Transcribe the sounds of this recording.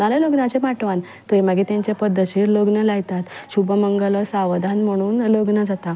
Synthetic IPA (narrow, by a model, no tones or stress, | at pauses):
aleloɡnat͡ɕemaʈʋan | t̪əeməɡet̪jaɲt͡ɕjapəd̪ʱːəɕiɾloɡnəlaɡt̪at̪ɕubʱəməŋɡələsaʋd̪ʱanm̤əɽ̃uːnloɡnəd͡zat̪a